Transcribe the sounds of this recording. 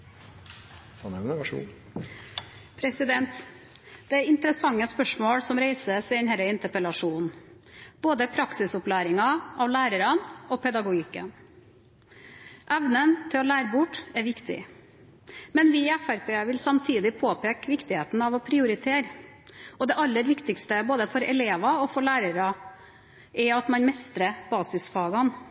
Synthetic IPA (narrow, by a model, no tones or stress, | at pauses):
sɔnɛnəʋʂ | pʰɾɛsɪd̪ɛnt̪ | d̪̥ɛæɪnt̪əɾəsɑŋːəspœʂmoːɽsɔmɾeɪsəsɛnhɛɾəɪnt̪əɾpəlɑʂuːn | b̥oːd̪əpʰɾɑksɪsʊplæːɾɪŋɑʔɑʋlæːɾəɾɑnɔpʰɛd̪ɑɡʊɡɪkːə̰n | ʔɛʋnənt̪ʰɪlɔlæːɾəbʊʈːɛɾʋɪkt̪ɪ̰ | mɛnʋɪɛfæɾpeːʋɪlsɑmt̪ʰiːd̪ɪpʰoːpʰeːkʋɪkt̪ɪheːt̪n̩ɑʋɔpʰɾɪʊɾɪt̪ʰeːɾ | ɔd̪ɛʔɑlːəɾʋɪkt̪ɪkst̪əboːd̪əfɔɾɛleːʋɑɔfɔɾɭæːɾəɾɑ | ʔɛɑt̪mɑnmɛst̪ɾəb̥ɑːsɪsfɑːɡɑn